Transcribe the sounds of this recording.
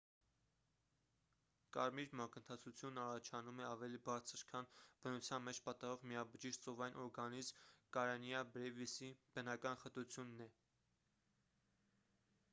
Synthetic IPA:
kɑ̰ɾmiɾmɑkənt̪ʰɑt͡sʰut͡sʰjunɑrɑt͡ʃʰɑnumɛɑvɛlibɑɾt͡sʰəɾkʰɑnb̥ənut͡sʰjɑnmɛt͡ʃʰpɑt̪ɑrɔʁmiɑbəʒiʃt͡sɔvɑjnʔɔɾɡɑnizmkɑɾɑnjɑbɾɛvisib̥ənɑkɑnχət̪ut͡sʰjunːɛ

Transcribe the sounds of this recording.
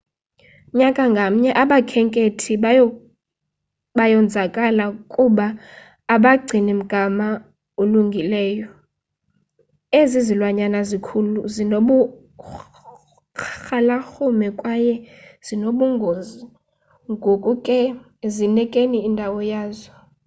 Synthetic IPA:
ɲakʼaŋɡʱam̩ɲɛʔaɓakʰɛŋkʼetʰi | ɓajɔnd͡zʱakʼalakʼuɓaː | ɓaɡ͡ǀʱinim̩ɡ̥ʱama | oluŋɡʱilɛːjɔ | ezizilwaɲanazikʰuluzinoɓu | xalaxumɛkʼwajɛz̥inoɓuŋɡʱozi | ŋɡʱokʼukʼɛ | zinɛkʼeniːndʱawɔjaːzɔ

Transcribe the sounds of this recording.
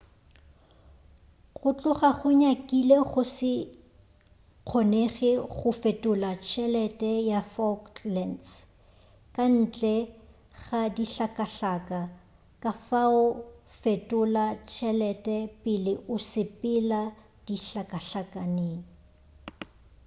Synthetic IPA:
ɣʊt͡ɬʼʊχaχʊɲakʼileɣʊsɪ | q͡χʰɔneχɪɣχʊfetʼʊlat͡ʃʰɛlɛtʼɛjafɔklɛns | kʼan̩t͡ɬʼɛ | ɣadiɬakʼaɬakʼa | kʼafaʊfetʼʊlat͡ʃʰɛlɛtʼɛpʼɪlɪʔʊsɪpɪla | d̥iɬakʼaɬakʼaneːŋ̩

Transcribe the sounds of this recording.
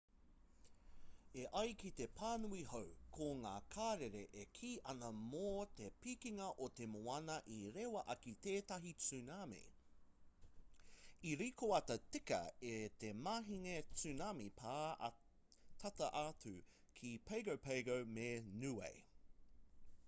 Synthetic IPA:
eʔɐjkit̪e̞pʰaːnuihowkʰoŋaːkʰaːɾeɾeʔekʰiːʔɐnɐmoːt̪epikiŋɐʔot̪emoɐnɐʔiɾewɐʔɐkit̪eːt̪ɐɦit͡sʉnamḭ | iɾikoɐtɐtikɐ̰et̪emaːɦiŋet͡sʉnamipʰa̰ː | t̪ʰɐt̪ɐʔat͡sʰʉ | kʰipʰejɡowpʰejɡowmenʉḛj

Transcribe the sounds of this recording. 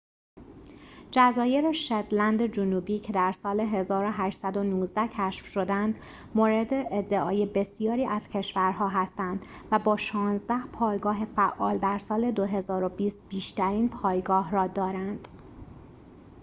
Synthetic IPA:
d͡ʒæzɒːjeɾeʃed̪lænd̪ed͡ʒonuːbiːcʰe̞d̪æɾsɒːleɦe̞zɒːɾo̞ɦæːʃt̪sæd̪o̞nuːzd̪æcʰæʃfʃo̞d̪ænd̪ | moːɾed̪e̞ʔːd̪ːeʔɒːjebe̞sijɒːɾiːʔæz̥cʰe̞ʃvæɾɦɒːɦæst̪ænd̪̥ | væbɒːʃɒːnzd̪æhpʰɒːjɡɒːɦe̞fæʔːɒ̰ːld̪æɾsɒːle̞d̪oɦe̞zɒːɾo̞biːst̪̚b̥iːʃt̪æɾiːnpʰɒːjɡɒːɦrɒːd̪ɒːɾænd̪̥

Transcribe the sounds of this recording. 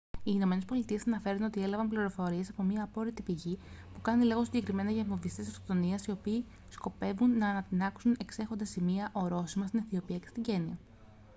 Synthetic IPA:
iːno̞me̞nespo̞lit̪ie̞sɐnɐfe̞ɾuno̞t̪ie̞lɐvɐmpliɾo̞fo̞ɾie̞sɐpo̞miɐːpo̞ɾit̪ipiʝipukɐniliɣo̞siɲɟe̞kɾime̞nɐʝɐvmovist̪eseft̪ot̪o̞niɐsio̞piː | sko̞pe̞vunːɐːnɐt̪inɐksune̞kse̞xo̞nd̪ɐsimiɐʔo̞ɾo̞simɐst̪inɐθio̞piɐce̞st̪iɲɟe̞niɐ

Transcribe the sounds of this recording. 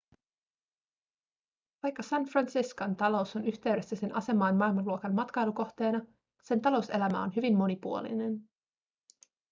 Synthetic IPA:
ʋɑjkːɑsænfrɑnsiskont̪ɑlo̞uso̞nyçt̪e̞ɥɾe̞sːæsenʔɑse̞mɑːnmɑilmɑnluokɑnmɑt̪kɑjluko̞xt̪e̞ːnɑ | se̞nt̪ɑlo̞wse̞læmæ̰o̞nɦyʋimːo̞nipuolḭne̞n

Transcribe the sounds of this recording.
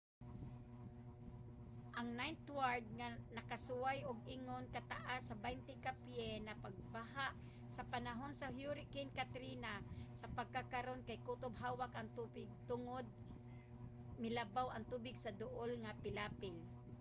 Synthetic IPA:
ʔaŋnajnt̪waɹd̪̚ŋanɐkasʊwajʊɡ̚ʔɪŋonkat̪aʔasːɐbajnt̪ɪkapjɛnapaɡ̚baɦaʔ | sɐpanaɦonsahjuɾɪkinkat̪ɾinasɐpaɡ̚kakaɾonkajkut̪obɦaːwakʔɐŋt̪ubɪɡ̚t̪ʊŋod̪̚ | mɪlabawʔɐŋt̪uːbɪɡsad̪ʊʔolŋapɪlaːpɪl

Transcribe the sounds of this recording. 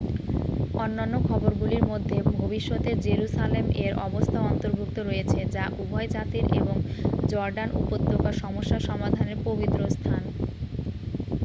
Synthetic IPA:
ɔnːanːokʰɔboɾɡuliɾmod̪ʱːebʱobiʃːot̪eɾd͡ʑeɾuʃalemeɾʔɔbost̪ʰaoɔnt̪oɾbʱuk̚t̪oɾojet͡ɕʰed͡ʑaʔubʱɔed͡ʑat̪iɾʔḛboŋd͡ʑɔɾɖanʔṵpod̪ʱːokaʃɔmoʃːaʃɔmad̪ʱaneɾpobit̪ːɾost̪ʰan

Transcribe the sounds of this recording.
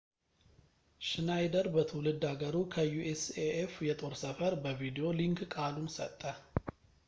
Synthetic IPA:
ʃɨnajd̪əɾbət̪ʰəwlɨd̪aɡəɾukʰəjuʔeseʔefjɛt̪ʼo̞ɾsəfəɾbəvid̪io̞liŋkkʼalunsə̰t̪ʼːə

